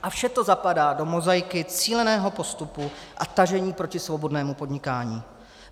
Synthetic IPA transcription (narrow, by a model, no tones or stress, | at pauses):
ʔafʃɛt̪o̞zapadaːdo̞mo̞zajɪkɪt͡siːlɛnɛːɦo̞po̞st̪upuʔat̪aʒɛɲiːpɾo̞cɪsvo̞bo̞dnɛːmupo̞dɲɪkaːɲiː